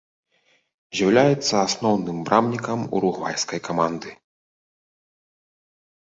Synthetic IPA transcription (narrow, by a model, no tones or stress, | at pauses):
zʲawlʲajɛt̪sːɐasnɔwnɨmbɾʔamnʲikɐmṵɾuɣva̰jskɐjkamand̪ɨ